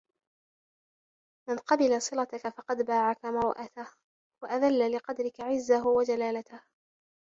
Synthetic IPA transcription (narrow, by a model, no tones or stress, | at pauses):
manqɑbɪlasˤɨlat̪akafɑqɑd̪baːʕakamɑɾʔat̪ah | waʔaðalːalɪqɑd̪ɾɪkaʕɪzːaɦʊwad͡ʒalaːlat̪ah